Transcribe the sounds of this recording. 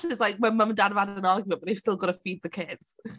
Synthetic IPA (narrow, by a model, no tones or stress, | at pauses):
ɪslajk̚mɛməməndadvadənɔɡjvəbəðejvstɪlˠɡɔɾəfiːd̪̚ðəkʰɪd̥z̥